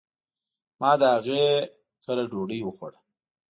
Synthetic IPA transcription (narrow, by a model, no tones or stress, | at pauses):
mɑd̪əaɣe | kəlaɖoɽəjwəxaɽa